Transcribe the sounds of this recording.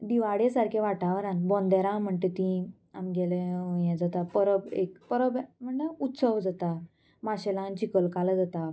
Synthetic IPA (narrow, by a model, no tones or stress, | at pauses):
d̪iʋaɽesaɾkʰeʋaʈaʋəɾãnbɔ̃nd̪aɾãm̤əɳʈ̪et̪ĩ | amɡɛleojɛ̃d͡zat̪apəɾəbekpəɾəbm̤əɳʈəut̪səʋd͡zat̪a | maɕɛlãnt͡ɕikəlkaləd͡zat̪a